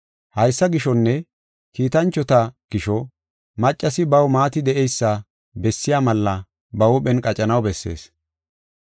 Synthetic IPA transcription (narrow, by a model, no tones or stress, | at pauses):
hɐjsːɐɡɪʃɔnːɛ | kiːt̪ɐnt͡ʃːɔt̪ɐɡ̥ɪʃɔ | mɐt͡ʃʼːɐsɪbɐwmaːt̪ɪd̪ɛʔejsːɐ | bɛsːɪjaːmɐlːɐ | bɐwʊɓɛnkʼɐt͡ʃʼɐnɐwbɛsːe̞̰ːs